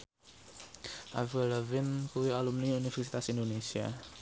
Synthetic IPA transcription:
a̰vələvinkuialumniunivɛɾsi̥t̪asind̪onesja̰

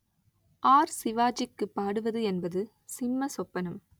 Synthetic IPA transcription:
ʔaːɾsɪʋaːd͡ʒɪkːɯpːaːɽɯʋɐðɯɛnbɐðɯ | sɪmːɐsɔpːɐnɐm

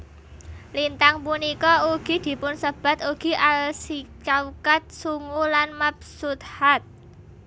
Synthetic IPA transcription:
lint̪aŋpunikɔuɡ̥i̤d̪̥i̤pʊnsəb̥a̤t̪uɡ̥i̤ʔalsit͡ʃaukat̪̚suŋulanmap̚sut̪̚hat̪̚

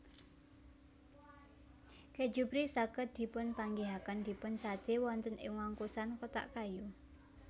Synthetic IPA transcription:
kɛ̥d͡ʒupɾisaɡəd̪̥i̤pʊnpaŋɡeɦakand̪̥i̤pʊnsad̪̥e̤wɔnt̪ənʔɪ̰ŋwaŋkusankot̪a̰ʔkaju

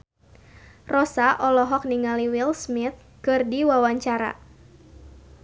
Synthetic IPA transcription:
rɔsaʔɔlɔɦɔk̚niŋaliwilsmit̪̚ | kɨrdiwawaɲt͡ʃaɾa̰

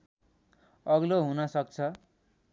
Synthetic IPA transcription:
ʌɡloɦunʌsʌk̚t͡sʰʌ

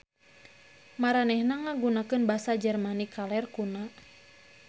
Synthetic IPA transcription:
maɾanɛhnaŋaɡunakɨnbasad͡ʒɛrmanikalɛrkuna

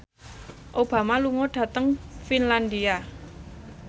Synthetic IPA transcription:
ʔob̥ä̤maluŋɔɖ̥ä̤t̪əŋfinland̪ia

